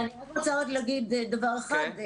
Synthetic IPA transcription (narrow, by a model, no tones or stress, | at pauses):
anilomot͡saotlaɡid̪d̪avaʁexad̪